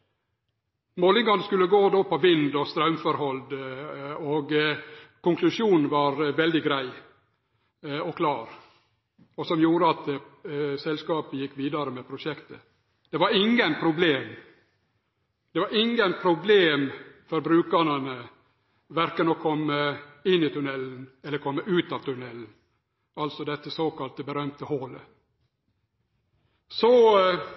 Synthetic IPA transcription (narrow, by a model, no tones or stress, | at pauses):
moːlɪŋɑnəskʉlːəɡoːd̪oːpʰɔʋɪnd̪ɔst̪ɾɑʉmfɔɾhɔld̪ | oɡkʊŋkʰlʉʃjuːnn̩ʋɑɾʋɛld̪ɪɡɾæɪ | ɔkʰlɑːɾ | ɔsɔmjuːɾəɑt̪ | sɛlskɑːpəjɪkːʋiːd̪ɑɾəmɛpʰɾʊʂɛkt̪ə | d̪̥ɛʋɑɾɪŋːənpʰɾʊbleːm | d̪̥ɛʋɑɾɪŋːənpʰɾʊbleːmfɔɾbɾʉːkəɳənə | ʋæɾkənɔkʰɔmːəɪnːɪt̪ʰʉnɛlːn̩ɛlːəɾkʰɔmːəʔʉːt̪ɑːʋt̪ʰʉnɛlːn̩ | ɑlsɔd̪ɛt̪ːəsoːkɑlt̪əbəɾœmt̪əhɔlə̰ | sɔ